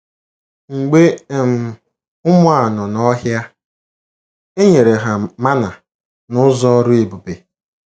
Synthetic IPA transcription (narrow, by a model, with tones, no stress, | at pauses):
ŋ͡m̩˨ɡ͡be˦e˨m̩˨˦ | ʊ˦mʊ˦a˨nɔ˨nɔ˦ɦja˦ | e˦ɲe˨ɾe˨ɦa˨ma˦na˨ | nʊ˦zɔ˦ɾʊ˦e˨bu˨be˨